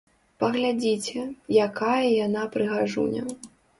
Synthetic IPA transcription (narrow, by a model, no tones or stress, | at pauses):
pɐɣlʲad͡zʲit͡sʲɛjakʰajɐjanapɾɨɣaʐṵnʲɛ̰